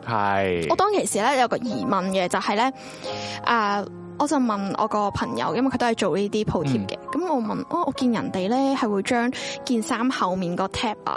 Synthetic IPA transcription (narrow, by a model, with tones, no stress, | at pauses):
hɐjːt̪ɔː˥ŋkʰe˨˩jsiː˨˩lɛː˥jɐ˨˧wkɔː˧jiː˨˩mɐ˨nkɛ˧t͡sɐ˨whɐ˨jlɛː˥ | ʔɐː˨˧ | ʔɔː˨˧t͡sɐ˨wmɐ˨nʔɔ̰ː˨˧kɔː˧pʰɐ˨˩ŋjɐ̰˨˧˥wjɐ˥mwkʰt̪o˥ɐ˨˩jt͡ʃo˨wliː˥t̪iː˥pʰo˧wt̪ʰiː˥p̚kɛ̰˧kɐ˨˦mɔː˧mɐ˨nʔaː˧ʔɔː˨˧kiː˧njɐ˨˩nt̪e˨jlɛː˥hɐ˨jwuː˨˧jt͡ʃœː˥ŋkiː˧nsaː˥mhɐ˨wmiː˨nkɔː˧t̪ʰɛː˥p̚lɐ̰˧˨